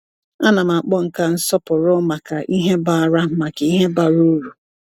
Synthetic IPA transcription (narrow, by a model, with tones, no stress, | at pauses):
a˦na˨m̩˨a˨k͡pɔ˦ŋ̩˨ka˦n̩˦sɔ˦pʊ˨ɾʊ˦ma˨ka˨ʔi˦ɦe˦ba˦˨ɾa˦ma˨ke˨i˦ɦe˦ba˨ɾu˦ɾu˨